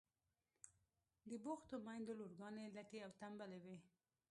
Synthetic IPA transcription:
d̪əboxt̪omɑjnd̪oloɾɡɑnelaʈeawt̪ambalewe

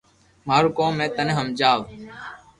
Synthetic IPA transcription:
maːɾukõːmẽːt̪əneɦəmd͡ʒaːʋ

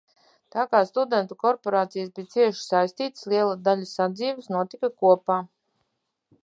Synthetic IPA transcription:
t̪aːkaːst̪ud̪ɛnt̪ukɔɾpɔɾaːt̪sijasbiːt̪siɛʃi̥sajsʲt̪iːt̪slˠiɛlˠad̪alʲasad̪ziːvɨsnuɔt̪ikakuɔpaː

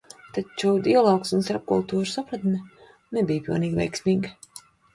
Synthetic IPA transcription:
t̪at͡ʃud̪iɔlˠɔːksunst̪aɾp̚kṵlˠt̪uːɾsapɾat̪mʲɛ | nɛbijpilwniːɡʲvɛ̰jksmiːɡ

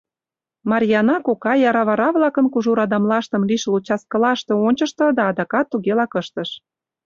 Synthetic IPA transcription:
mɑɾʲjɑnɑkokɑjɑɾɑβɑɾɑβlɑkənkuʒuɾɑd̪ɑmlɑʃt̪ə̆mliʃəlut͡ɕɑskə̆lɑʃt̪ĕonʲt͡ɕəʃt̪ɤ̆d̪ɑːd̪ɑkɑt̪ːuɣelɑkəʃt̪ə̆ʃ

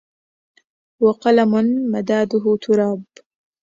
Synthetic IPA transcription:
waqɑlamʊnmad̪aːd̪ʊɦʊt̪ʰʊɾɑːb

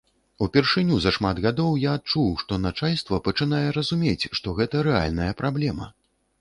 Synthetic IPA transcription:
upʲɛrʂɨnʲuzɐʂmad̪ɣad̪ɔwjaːt̪̚t͡ʂuwʂt̪ɔnat͡ʂalʲst̪vɐpɐt͡ʂɨn̪ajɛɾɐzumʲet͡sʲʂt̪ɔɣɛt̪ɐɾɛa̰lʲnɐjɐpɾablʲɛmɐ̰

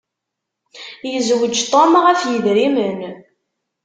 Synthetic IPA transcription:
jəzwəd͡ʒt̪ˤomʁæfjəðɾimən

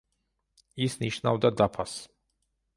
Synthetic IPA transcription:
isniʃnawd̪ad̪apʰas

